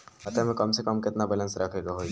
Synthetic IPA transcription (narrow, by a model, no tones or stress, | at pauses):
ɐt̪emɛ̃kɐmsekɐmkɪt̪nabələ̃nsɾɐkʰeːɡaɦoːi